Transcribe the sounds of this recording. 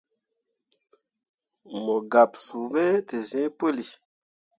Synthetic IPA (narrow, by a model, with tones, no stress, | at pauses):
mɔ˨ɡa˨psu˨bɛ˦te˨zɛ̃˦pə˦li˨